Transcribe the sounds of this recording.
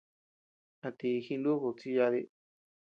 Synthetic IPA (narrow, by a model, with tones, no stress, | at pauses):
a˧t̪i˧xi˧nd̪u˦ku˨˧t͡si˧ja˧ði˧